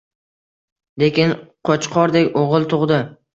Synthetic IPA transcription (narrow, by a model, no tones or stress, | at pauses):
le̞kʲɪnqʰɒt͡ʃqʰɒɾd̪ekʲoʁɨlˠt̪ʰʊʁd̪ɪ